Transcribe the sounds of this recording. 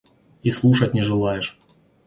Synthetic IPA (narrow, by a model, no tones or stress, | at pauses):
islˠuʂɐt̚ʲnʲɪʐɨlˠajɪʂ